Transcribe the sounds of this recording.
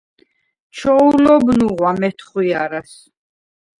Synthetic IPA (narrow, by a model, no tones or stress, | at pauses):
t͡ʃʰɔulɔbnuʁwamɛt̪ʰχwiaɾas